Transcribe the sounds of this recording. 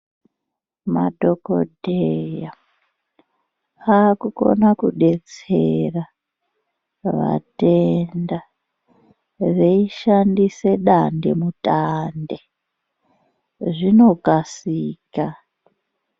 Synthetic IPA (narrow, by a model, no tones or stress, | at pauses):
ma̰do̞ko̞̰dʱeja | akuko̞̰nakuɗe̞t͡se̞ra | ʋa̰tenda | reiʃandise̞ɗande̞̰mutande | ʐino̞kasiːka